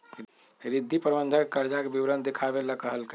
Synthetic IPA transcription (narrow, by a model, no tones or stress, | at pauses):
ɾɪd̪ʱːipɾəbənd̪ʱəkekəɾd͡ʒakebiʋɾənd̪ekʰabeləkəɦəlke